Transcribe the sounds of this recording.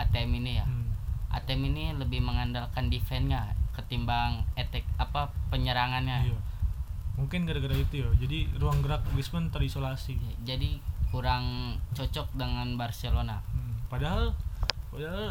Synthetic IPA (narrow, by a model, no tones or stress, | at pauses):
at̪eminijaʔa̰t̪ɛminiləbɪhməŋandalkandifɛnɲakət̪imbaŋet̪ɛk̚apapəɲəɾaŋanɲaja | muŋkɪnkadaɡəɾait̪ujad͡ʒadiruaŋɡəɾak̚lismənt̪əɾisolasijad͡ʒadikuɾaŋt͡ʃot͡ʃɔk̚dəŋanbarselonapadaɦalpadaɦal